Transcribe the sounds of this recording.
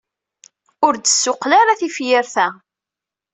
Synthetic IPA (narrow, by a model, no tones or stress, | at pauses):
ʊɾd̪əsːʊqlaɾaθifjɪɾθæ